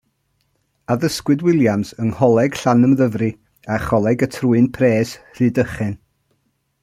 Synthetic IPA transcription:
aðəskwɨdwɪlˠjamsənhɔlˠɛɡ̥ɬanəmðəvrɨ | aχɔlˠɛɡətʰruɨnpʰreːsr̥ɨdəχɛn

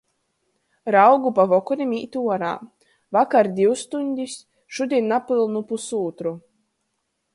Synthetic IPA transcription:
ɾawɡupavɔkɔnʲimʲiːt̪ʲuɔɾa̰ː | vakaɾd̪ʲiwst̪unʲd̪ʲisʲ | ʃud̪ʲiɛnːapɨlˠnupusuːt̪ɾu

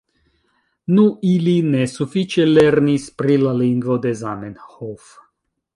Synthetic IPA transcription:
nuʔilinɛsufit͡ʃɛlɛrnispɾilalinɡvod̪ɛzamɛnhof

